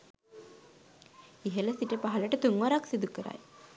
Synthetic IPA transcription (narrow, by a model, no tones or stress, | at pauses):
iɦeləsiʈepaɦaləʈət̪uŋʋaɾaksid̪ukəɾa̰j